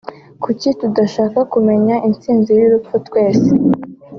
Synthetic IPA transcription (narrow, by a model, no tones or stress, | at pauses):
kucitudaʃaːkakume̞ɲaʔint͡siːnzijiɾup͡futwe̞ːse